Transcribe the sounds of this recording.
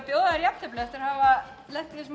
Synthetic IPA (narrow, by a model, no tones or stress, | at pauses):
pjoːwðaðɾjap̚n̥t̪ʰɛplɛft̪ʏɾ̥hava | lɛht̪ɪsm